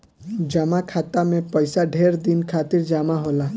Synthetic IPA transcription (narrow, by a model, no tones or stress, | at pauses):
d͡ʒəmakʰat̪amẽpəjsaɖʱeɾd̪inkʰat̪iɾd͡ʒamaɦola